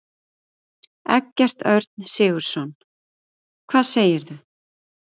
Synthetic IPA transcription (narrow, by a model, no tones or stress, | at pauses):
ɛ̰cːɛr̥t̪œɾt̪̚nsɪːɣʏɾ̥sɔn | kʰv̥aːðseːjɪɾðʏ